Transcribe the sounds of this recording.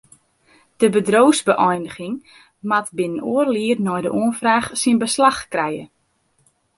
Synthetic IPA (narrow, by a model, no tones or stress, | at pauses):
d̥əbədrowzbəʔɔjnəɣɪŋ | matbɪnənoərliərnɔjdəʔoənfraːxsinbəslaxkrɛjə